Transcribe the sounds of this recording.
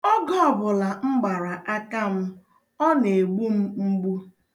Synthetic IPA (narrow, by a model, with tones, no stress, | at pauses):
ɔ˦ɡɔ˦ɔ˨bʊ˨la˨ŋ͡m̩˦ɡ͡ba˨ɾa˨ʔa˦ka˦m̩˦ | ɔ˦ne˨ɡ͡bu˦m̩˦m̩˦ɡ͡bu˦